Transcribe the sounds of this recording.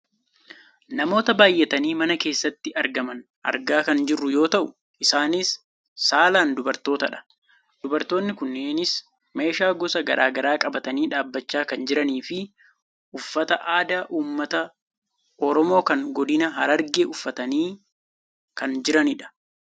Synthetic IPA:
nɐmo̞ːt̪ɐbaːjːɛt̪ɐniːmɐnɐke̞ːsːɐt̪ːɪɐɾɡɐmɐn | ʔɐ̰ɾɡaːkɐnd͡ʒɪrːʊjo̞ːt̪ɐʔʊ | ʔɪsaːnɪsː | aːlaːnd̪ʊbɐɾt̪o̞ːt̪ɐᶑɐ̥ | d̪ʊbɐɾt̪o̞ːnːɪkʊnːeːnɪs | me̞ːʃaːɡɔsɐɡɐ̰ɾʔa̰ːɡɐɾaːkʼɐbɐt̪ɐniːᶑaːbːɐt͡ʃːaːkɐnd͡ʒɪɾɐniːfɪ | ʊfːɐt̪ɐʔaːd̪aːʔuːmːɐt̪ɐ | ʔɔɾɔmo̞ːkɐŋɡɔd̪ɪnɐɦɐɾɐɾɡeːʔʊfːɐt̪ɐniː | kɐnd͡ʒɪɾɐnɪᶑɐ̥

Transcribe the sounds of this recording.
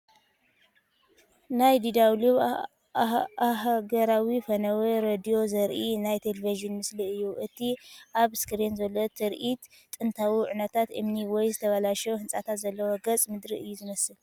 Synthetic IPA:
najd̪id̪awluβ | ahɡɐɾawifɐnɐweɾed̪ijo̞zɐɾʔinajt̪ʰeleviʒɨnmɨsliɨjːuʔɨt̪ʰiʔaβskɨɾenzɐlːot̪ʰɨɾʔit̪ːʼ | ɨnt̪ʰawiʕunɐt̪ʰat̪ɨ̰mniwɔjzɨt̪ʰɐβɐlaʃɐwhɨnsʼat̪ʰat̪zɐlːɐwoɡɐt͡sʼmɨd̪ɾiʔɨjːuzɨmɐsɨl

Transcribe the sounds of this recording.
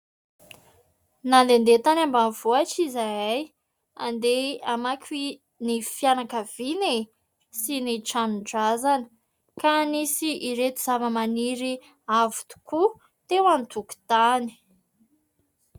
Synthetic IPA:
nand̪end̪et̪anambanv̥oaʈ͡ʂizajaj | a̰nd̪eamakʲi | nifianakəv̥ine | siniʈ͡ʂanuɖ͡ʐazanə̥ | kanisiʔiɾet̪iz̥avəmaniɾi | avu̥t̪u̥ku | t̪ewant̪uku̥t̪ani̥

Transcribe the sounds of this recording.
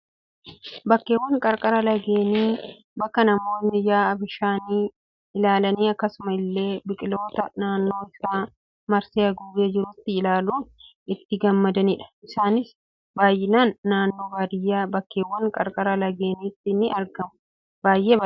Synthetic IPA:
bɐkːeːwːɐŋkʼɐɾkʼɐɾɐlɐɡe̞ːniː | bɐkːɐnɐmo̞ːnːɪjaːɐbɪʃaːniː | ɪlaːlɐniːɐkːɐsʊmɐɪlːe̞ːbɪkʼɪlo̞ːt̪ɐnaːnːo̞ːɪsaː | mɐɾseːɐɡuːbed͡ʒɪɾʊt̪ːɪɪlaːluːn | ɪt̪ːɪɡɐmːɐd̪ɐniːᶑɐ̥ʔɪsaːnɪs | baːjːɪnaːnːaːnːo̞ːbaːd̪ɪjːaːbɐkːeːwːɐŋkʼɐɾkʼɐɾɐlɐɡe̞ːniːt̪ːɪnɪɐɾɡɐmʊ | b̥aːjʔeːbɐ

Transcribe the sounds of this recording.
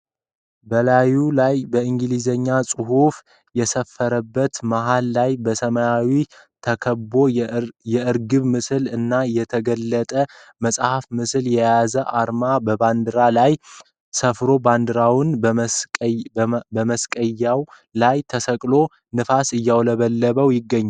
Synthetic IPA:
bəlajulajbəɨŋɡɨlizəɲːasʼɨhuf | jɛsəfːəɾəbːət̪maɦalːajbəsəməjawi | t̪ʰəkʰəbo̞jɛɨɾɡɨβmɨsɨlɨnːajɛt̪ʰəɡəlːət̪ʼə | məsʼhafmɨsljɛjazəʔaɾmabəband̪ɨɾalaj | səfɾo̞band̪ɨɾawnʼ | bəməskʼəjːaw | lajt̪ʰəsəkʼlo̞ | nɨfasɨjːawləβəlːəβəwjɪɡːəɲːa

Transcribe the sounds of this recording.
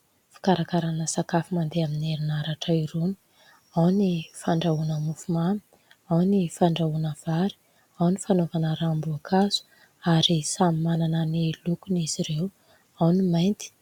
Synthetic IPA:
fi̥kaɾakaɾanəsakafimand̪eamineɾinaɾaʈ͡ʂaiɾuni̥ | awnifaɳɖ͡ʐaunəmufumami̥ | awnifaɳɖ͡ʐaunəv̥aɾi̥ | awnifanovanəɾambuakʰaz̥u̥ | aɾisamimananənilukuniziɾew | awnimajnt̪i̥

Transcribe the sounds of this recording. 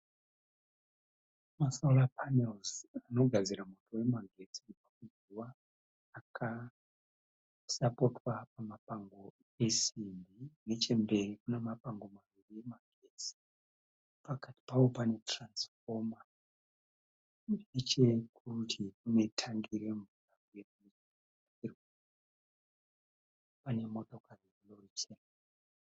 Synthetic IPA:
masoulapʰanelzano̞ɡʱad͡ziɾamotʰowe̞maɡʱe̞t͡sipakuz | uwaː | kʰa | sapo̞twapamapaŋɡo̞ | e̞simbine̞t͡ʃe̞mbe̞rikunemapaŋɡo̞maʋirie̞maɡʱet͡si̥ | pakati̥pawo̞pane̞transfo̞ma | et͡ʃekʰutʰikune̞tʰaŋɡiɾe̞ɱvuramujerunet͡ʃi | aairwe | pane̞mo̞to̞kariekulorit͡ʃena

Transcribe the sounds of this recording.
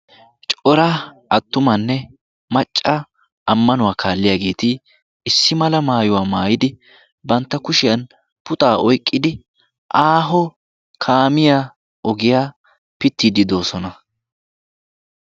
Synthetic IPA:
t͡ʃʼɔɾɐ | ɐt̪ːʊmɐnːɛ | mɐt͡ʃʼːa | ʔɐmːɐnʊwaːkʰaːlːɪjaːɡe̞ːt̪ɪ | ɪsːɪmɐlɐmaːjʊwaːmaːjɪd̪ɪ | bɐnt̪ːɐkʊʃɪjɐn | pʊt̪ʼaːʔɔjkʼːɪd̪ɪ | ʔaːɦɔ | kʰaːmɪjaː | ʔɔɡɪjaː | pɪt̪ːiːd̪ɪd̪o̞ːsɔnɐ

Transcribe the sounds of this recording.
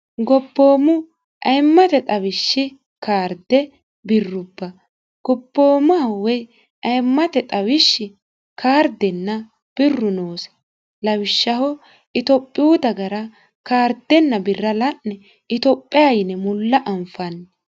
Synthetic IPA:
ɡɔbːoːmʊ | ʔɐjmːɐt̪ɛt̪ʼɐwɪʃːɪ | kaːɾd̪ɛ | bɪrːʊbːɐ | ɡ̥ɔbːo̞ːmawɛj | ʔɐjmːɐt̪ɛt̪ʼɐwɪʃːɪ | kʰaːɾd̪ɛnːɐ | b̥ɪrːʊnoːsɐ̥ | lɐwɪʃːɐhɔ | ɪt̪ɔpʼːɪjuːd̪ɐɡɐɾɐ | kaːɾd̪ɛnːɐbɪrːɐlɐnːɛ | ɪt̪ɔpʼːɪjajɪnɛmʊlːɐʔɐmfɐnːɛ

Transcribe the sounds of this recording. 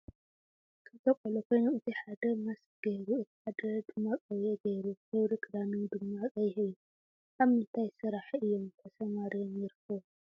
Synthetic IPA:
kʰɨt̪ɐkʼolokʰojnomɨt̪ʰiħad̪ɐmas | ɡ̥ɐjɾuɨt̪ʰi̥ħad̪ɐd̪ɨmːakʼɐweɡɐjɾujɐwɾɨkʼɨd̪anɨnd̪ɨmːakʼɐjheju | ʔaβɨnt̪ʰajsɨɾaħʔɨjːomt̪ʰɐsɐmaɾijomjɪɾkɐ

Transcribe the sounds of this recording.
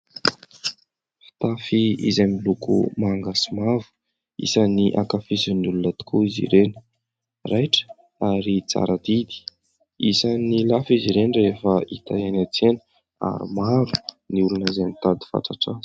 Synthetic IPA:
fi̥t̪afiḭzamilukṵmaŋɡasimavu̥ | ḭsaniʔakafisunulunət̪u̥kʰuizḭɾenə̥ | rajʈ͡ʂə̥ | aɾit͡sa̰ɾad̪id̪i̥ | isanilafiziɾenɖ͡ʐɾefəit̪ajanat͡senə̥ | a̰ɾṵmaɾuniulunəizamit̪ad̪i̥fa̰ʈ͡ʂaʈ͡ʂan

